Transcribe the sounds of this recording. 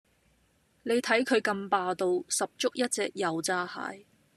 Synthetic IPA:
ne˨˧jt̪ʰɐ˨˥jkʰɵ˨˧ɥkɐ˧mpaː˨˧t̪o˧wsɐ˨p̚t͡ʃʊ˥k̚jɐ˥t̚t͡sɛ̰ː˧k̚jɐ˨˧wt͡saː˧ha̰ː˨˥j

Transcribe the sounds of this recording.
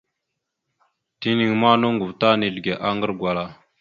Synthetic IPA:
ti˦ni˨ŋma˦no˦ŋɡu˨vta˦ni˨lɡe˨ʔa˦ŋɡə˦ɾɡʷwa˨la˨

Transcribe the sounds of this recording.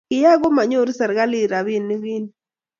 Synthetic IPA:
ɪ˨ja˦ɡo˦ma˨ɲo˦ɾsa˨ɾɡa˦li˦˨ɾa˨wi˦˨nːi˦wi˦n

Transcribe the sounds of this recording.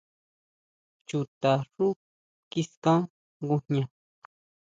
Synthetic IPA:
t͡ʃu˨t̪a˨ʐu˦ | ki˦skã˦ | ɡu˧ɲɲã˧

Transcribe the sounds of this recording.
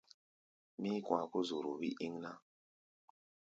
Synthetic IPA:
mi˦kʷwa˨ko˦zu˨ɾu˨βi˦ʔi˦ŋna˦

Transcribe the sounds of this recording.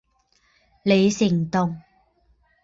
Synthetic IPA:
le˨˧jsɪ˨˩ŋt̪ʊ˨˩ŋ

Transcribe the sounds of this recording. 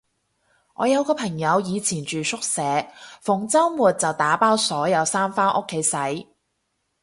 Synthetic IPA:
ŋɔː˨˧jɐ˨˧wkɔː˧pʰɐ˨˩ŋjɐ˨˧wjiː˨˧t͡sʰiː˨˩nt͡ʃyː˨sʊ˥k̚sɛː˨˥fʊ˨˩ŋt͡sɐ˥wwuː˨t̚t͡sɐ˨wt̪aː˨˥paː˥wsɔː˨˥jɐ˨˧wsaː˥mfaː˥nʔʊ̰˥kʰːe˨˥jsɐ˨˥j

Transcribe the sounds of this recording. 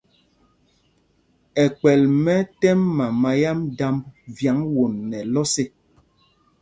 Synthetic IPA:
ɛ˨k͡pɛ˨lmɛ˦tɛ˦mːa˨ma˨ja˦mda˦mvja˨˦ŋwo˨nːɛ˨lɔ˦se˦

